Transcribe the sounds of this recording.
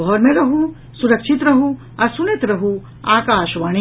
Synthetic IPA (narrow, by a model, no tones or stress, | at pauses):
ɔːɾmẽɾɐɦũ | suɾɐkʃɪt̪ɾɐɦũ | ɐɾsunet̪ɾɐɦũ | aːkaːʃʋaɽ̃i